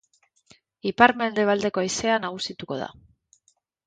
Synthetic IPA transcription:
ipaɾme̞ld̪e̞β̞ald̪e̞ko̞ajse̞anaɣ̞usit̪uko̞ð̞a̰

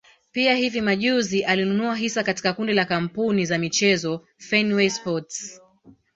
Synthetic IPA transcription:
piahivimaʄuziʔalinunuaɦisakati̥kakundilakam̩punizamit͡ʃɛzɔ | fɛnwɛspɔts

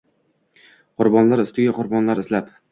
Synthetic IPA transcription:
qʰʊɾbɒnlaɾɪst̪ɪɡʲaqʰʊɾbɒnlaɾɪzlap

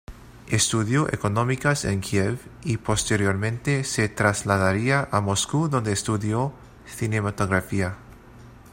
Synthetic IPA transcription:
est̪uðjoʔḛkonõ̞mikasḛŋkʰjevipo̞st̪eɾjo̞ɾmẽnt̪ese̞t̪ɾazlaðaɾiaʔamo̞skuðond̪eːst̪uðjo | θinemat̪oɣɾafia

